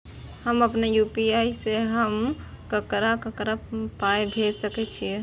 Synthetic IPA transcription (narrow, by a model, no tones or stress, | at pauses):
həməpnejupiajseɦəm | kəkɾakəkɾapajbʱesəkɛt͡ʃʰiɛ